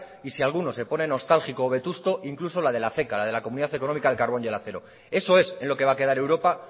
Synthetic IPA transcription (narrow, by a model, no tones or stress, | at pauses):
isialɣ̞uno̞se̞po̞ne̞no̞st̪alxikoːβ̞e̞t̪ust̪o̞ʔiŋkluso̞lað̞e̞laθe̞kalað̞e̞lakomuniðaθe̞ko̞no̞mikaðelkaɾβo̞ne̞laθe̞ɾo̞ | e̞so̞e̞se̞nlo̞ke̞β̞ake̞ð̞aɾe̞wɾo̞pa